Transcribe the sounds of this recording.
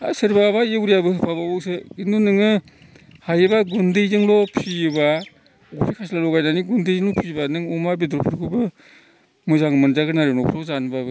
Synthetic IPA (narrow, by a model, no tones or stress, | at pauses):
a̰sɯɾbabajewɾijabɯhɯpʰabaɔwsɯinunɯŋɯ | hajɯbaɡundɯjzɯŋlɔpʰijba | ɡupʰikʰaslalɔɡajnaniɡundɯjzɯŋlɔpʰibanɯŋɔmabidɾɔpʰɯɾkʰubɯ | mɯzaŋmɯnzaɡɯnaɾenɔpʰɾɔzanbabɯ